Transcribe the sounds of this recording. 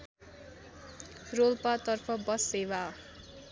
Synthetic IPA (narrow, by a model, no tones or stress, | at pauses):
rolpat̪ʌrpʰʌbʌsewa